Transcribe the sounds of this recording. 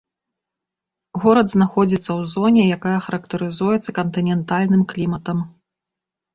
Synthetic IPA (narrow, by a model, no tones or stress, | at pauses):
ɣɔɾɐd̪znaxɔd͡zʲit̪sːɐwzɔnʲɛjakajɐxɐɾɐkt̪ɐɾɨzujɛt̪sɐkɐnt̪ɨnʲɛnt̪alʲnɨmklʲimɐt̪ɐm